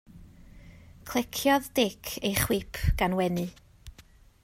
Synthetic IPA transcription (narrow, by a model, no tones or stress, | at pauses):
kʰl̥ˠɪkʰjɔðd̥ɪkʰejχwɪpʰɡ̥anwɛnɨ